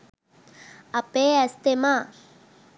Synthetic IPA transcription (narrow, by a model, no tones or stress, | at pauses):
ɐpeɐst̪ema